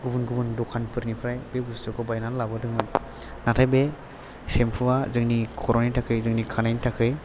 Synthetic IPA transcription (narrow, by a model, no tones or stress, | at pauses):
ɡubunɡubɯndɔkʰanpʰɯɾnipʰɾajbeɡustɯkʰɔbajnanlabɯdɯŋɯn | natʰajbe | sempʰɯwazɯŋnikʰɔɾonitʰakʰɯjzɯŋnikʰanajnitʰakʰɯj